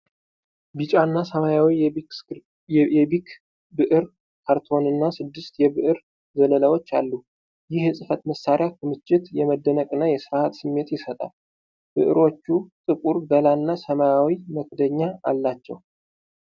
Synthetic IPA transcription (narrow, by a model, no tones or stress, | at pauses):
bit͡ʃʼanːasəmajawi | jɛbikʰ | bɨʔɨɾ | kʰaɾt̪ʰo̞nɨnːasɨd̪ːɨst̪jɛbɨʔɨɾ | zələləwo̞t͡ʃːa̰lːu | jɪhɨsʼɨfət̪məsːaɾjakʰɨmɨt͡ʃʼːɪt̪jɛməd̪ːənəkʼɨnːajɛsɨɾhat̪sɨmːe̞t̪jɪsət̪ʼa̰l | b̥ɨ̰ʔɨ̰ɾo̞t͡ʃːut̪ʼɨkʼuɾd̪əlanːasəmajawiməkd̪əɲːaa̰lːat͡ʃːɛ̰w